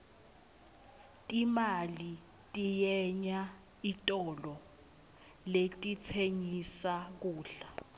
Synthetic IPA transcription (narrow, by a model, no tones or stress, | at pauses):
tʼimali | tʼijɛɲa | itʼɔlɔ | letʼit͡sʰeɲisak̬uːɬa